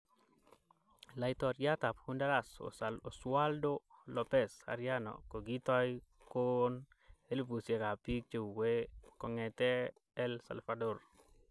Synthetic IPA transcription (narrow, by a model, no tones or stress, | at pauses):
lajt̪ɔɾjat̪aphundalaso̰saloswaldolɔpɛsa̰ɾjanɔ̰koɡitɔj | kon | elpusjekapik̚t͡ʃewekɔŋɛt̪ɛ | ɛlsa̰lfador